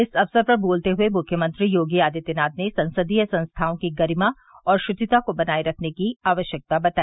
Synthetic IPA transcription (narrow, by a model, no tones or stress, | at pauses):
ɪsɐfsəɾpɐɾboːlt̪eɦʊemʊkʰjəmə̃nt̪ɾijoːɡijaːd̪it̪ɪnaːd̪nesɐ̃nsəd̪ijəsɐ̃nst̪ʰaːõkiɡɐɾɪma | ɔːɾʃʊt͡ʃ̪ɪt̪akobɐnaːiɾɐkʰnekiaːʋəʃjək̚t̪abɐt̪aːi